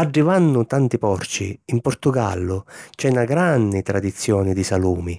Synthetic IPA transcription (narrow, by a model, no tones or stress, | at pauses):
aɖːivanːʊt̪ant̪ipɔrt͡ʃiːmpɔrt̪ʊɡa̰lːʊt͡ʃɛnaɡɾanːit̪ɾad̪it̪sːjɔːnid̪isaluːmi